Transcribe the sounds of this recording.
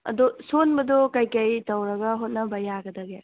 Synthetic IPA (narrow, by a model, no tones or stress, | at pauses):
ɐ̰dosonbɐdokajkɐjtɐwɾɐɡɐɦot̚nɐbɐjaɡɐdɐɡa